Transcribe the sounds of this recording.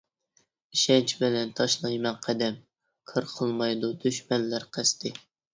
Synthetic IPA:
iʃɛnt͡ʃʰbɪlɛnt̪ʰɑʃlˠɑjmɛnqʰæd̪ɛm | kʰəɾqʰəlˠmɑjd̪ud̪yʃmɛnːæɾqʰæst̪ʰɪ

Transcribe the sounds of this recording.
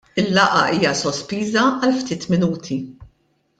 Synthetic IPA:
ɪlːɐʔɐ̰ʔiːjɐsɔspiːzɐɐlft̪ɪːt̪mɪnuːt̪ʰi

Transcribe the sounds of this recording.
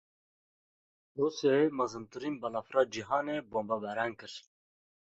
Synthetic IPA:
rusemɐzɨmt̪ɨɾinbalafɾɑːd͡ʒiɦɑːneboːmbabæɾaŋkɨɾ

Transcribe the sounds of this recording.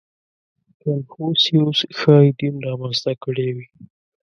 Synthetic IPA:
kalfosjosxɑjɖimɾɑmanst̪akəɽewi

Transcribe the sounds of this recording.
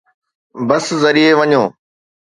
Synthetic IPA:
bɐszɐɾieʋɐɲõː

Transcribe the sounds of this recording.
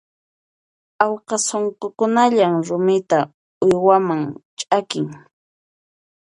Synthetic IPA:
awqɑsoɴqokʊnaʎamɾʊmɪt̪a | ʊjwamaŋt͡ʃʼakɪŋ

